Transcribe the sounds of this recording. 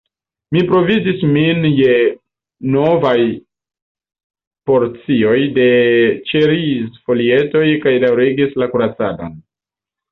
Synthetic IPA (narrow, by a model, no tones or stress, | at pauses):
mipɾo̞vid͡ʒisminje̞ | no̞vaj | po̞ɾt͡sio̞jde̞t͡ʃeɾisfo̞lie̞to̞jkajdawɾiɡislakuɾat͡sa̰do̞̰n